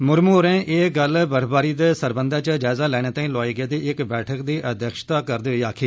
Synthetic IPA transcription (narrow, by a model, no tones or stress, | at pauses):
mʊɾmuːɾɛ̃ːʔeːɡəlbəɾbaːɾiːd̪eːsəɾbənd̪aːt͡ʃəd͡ʒaːzaːlɛːɽ̃eːt̪aːĩːlɔːiːɡeːd̪iːɪkbɛːʈʰəkd̪iːʔəd̪jəːkʃt̪aːkəɾd̪eːiːaːkʰiː